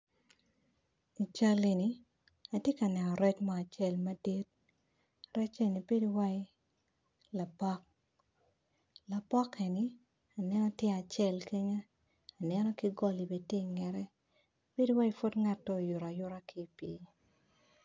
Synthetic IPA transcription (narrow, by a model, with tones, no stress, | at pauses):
i˨t͡ʃa˦le˨ni˨ | a˨tje˦ka˨nɛ˨nɔ˨ɾɛ˦t͡ʃmaː˨t͡ʃɛ˦˨lma˦di˦t̚ | rɛ˦t͡ʃe˨ni˨be˦di˦wa˦ | la˨pɔ˦k̚ | la˨pɔ˦ke˨nɪ˨ | a˨nɛ˦nɔ˦tjɛ˦a˨t͡ʃɛ˦˨lke˦ɲaː˦˨ | nɛ˦nɔ˦kɪ˦ɡɔ˦li˨be˨te˦˨ŋɛ˨ɾɛ˦ | b̥e˦di˦wa˦i˦fo˦dŋa˦tːɔ˦˨jʊ˨ɾa˨jʊ˦ɾa˦kʰi˦pe˨˦